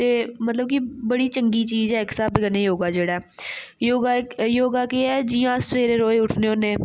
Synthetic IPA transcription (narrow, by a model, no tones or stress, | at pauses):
t̪eːmət̪ləb̚kibəɽiːt͡ʃəŋɡiːt͡ʃiːzɛːɪksaːbɪɡənːeːjoːɡaːd͡ʒeːɽaɛːjoːɡajoːɡaːkeɛːd͡ʒijãːseːɾeːɾoːeʊʈʰneːɦõːneː